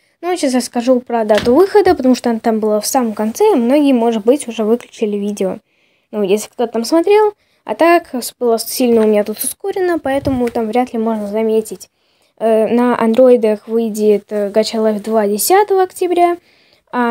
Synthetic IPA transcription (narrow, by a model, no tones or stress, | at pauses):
nujɕasrəskɐʐupɾəd̪at̪ʊvɨxəd̪əpət̪ɐmuʂt̪oɐnat̪ambɨlˠafsaməmkɐnt̪sɛimno̞ɡʲɪjəmo̞ʐɨt̪̚bɨtʲʊʐɛvɨklʲʉt͡ɕɪlʲɪvʲidʲɪo | nujesʲlʲɪ̥kt̪o̞t̪ət̪amsmɐt̪ɾʲe̞lˠ | ɐ̰t̪aksbɨlˠassʲilʲnəʊmʲɪnʲat̪ut̪ʊsko̞ɾʲɪnəpɐɛt̪əmʊt̪amvɾʲat̪lʲɪmo̞ʐnəzɐmʲetʲɪtʲ | ənəʔɐ̰nd̪ɾo̞ɪd̪əxvɨjdʲɪt̪ɡat͡ɕalˠavʲd̪vadʲɪsʲat̪əvəɐktʲɪbɾʲa | a